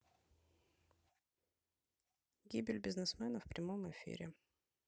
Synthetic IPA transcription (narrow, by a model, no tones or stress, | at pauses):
ɡʲibʲɪlʲbʲɪznɨsmɛnəfpɾʲɪmomɪfʲḭɾʲɪ̰